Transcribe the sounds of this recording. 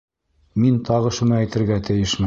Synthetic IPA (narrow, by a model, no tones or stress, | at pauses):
mint̪ʰɑʁɤʃunɤæjt̪ɘ̆ɾɡæt̪ɘ̆jɘʃmɘ